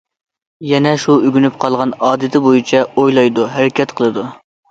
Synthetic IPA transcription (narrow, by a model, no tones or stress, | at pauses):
jɛnɛʃuyɡʲynypqʰɑlˠʁɑnɑːd̪ɪt̪ʰɪbojit͡ʃʰɛojlˠɑjd̪uɦæɾɪkʲɛt̪qʰəlˠɨd̪u